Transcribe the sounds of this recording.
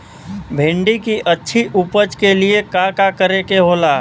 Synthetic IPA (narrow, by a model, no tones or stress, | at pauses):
bʱẽːɳɖikiʔətːʃʰiʔupət͡ʃkeliekakakəɾekeɦoːlaː